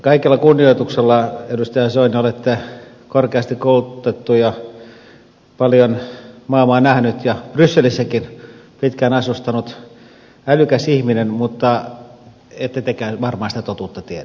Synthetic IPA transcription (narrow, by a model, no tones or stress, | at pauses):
kɑikelːɑkunːioit̪ukselːɑedust̪ɑjɑsoinolet̪ːe | korkeɑst̪ikkoulut̪et̪ːujɑ | pɑljonmɑˑːmɑːnæhnyt̪jɑb̥rysːelisːækinpit̪kænɑsust̪ɑnut̪ | ælykæsihminenmut̪ːɑ | et̪ːæt̪ekæːʋɑrmɑːsit̪æt̪ot̪uːt̪ːɑt̪ietæ